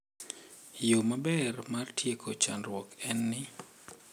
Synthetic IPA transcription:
jomabɛrmartʰjekʰot͡ʃa̰nɾwɔkɛnːɪ

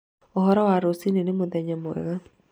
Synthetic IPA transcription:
oɦɔɾɔwaɾosinenemoðɛɲamoɛ̰ɣa

